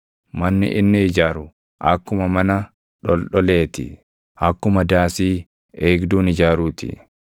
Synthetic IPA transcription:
mɐnːɪ̰ʔɪnːɪɪd͡ʒaːɾʊ | ʔɐkːʊmɐmɐnɐ | ᶑɔlɗɔle̞ːt̪ɪ̰ | ʔɐkːʊmɐd̪aːsiː | eːɡd̪uːnɪd͡ʒaːɾuːt̪ɪ̰

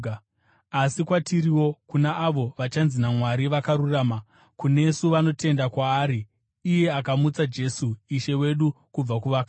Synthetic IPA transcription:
asikwatʰiɾiwo̞kunaʔːʋo̞ʋat͡ʃanzinamwaɾiʋakaɾuraːma | kune̞suʋano̞te̞ndakwaːɾiː | je̞akamut͡sad͡ʒe̞suiʃe̞we̞ɗukub͡vakuʋaka

